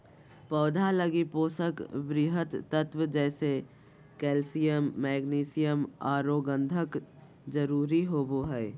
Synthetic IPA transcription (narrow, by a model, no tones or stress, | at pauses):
pɔːd̪ʱaləɡipoːsəkbɾiɦət̪ːət̪wəd͡ʒɛːse | kɛːlsijəmːɛːɡniːsijəmaːɾoːɡə̃nd̪ʱək | d͡ʒəɾuːɾiɦoːboɦɛː